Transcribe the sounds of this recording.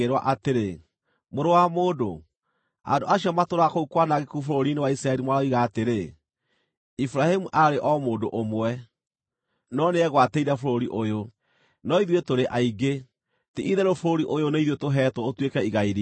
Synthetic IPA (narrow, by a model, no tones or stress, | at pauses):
eɾwa̰ʔateɾe | moɾowamoːdo | a̰ndoaɕiɔmatoɾakoukwanaɣekufoɾoɾinewaisɾaɛɾimwaɾaiɣaːteɾe | ifɾahemuʔaɾeʔɔmoːdoʔomwɛ | nɔneɛɣwateiɾafoɾoɾiʔojo | nɔiðwetoɾeʔaiɡe | tiʔiðɛɾofoɾoɾiʔojoneiðwetoɦɛtwɔotwekɛiɣaiɾi